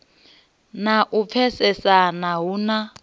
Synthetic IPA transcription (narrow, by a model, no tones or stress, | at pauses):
naʔup̪fʰɛsɛsanaɦuna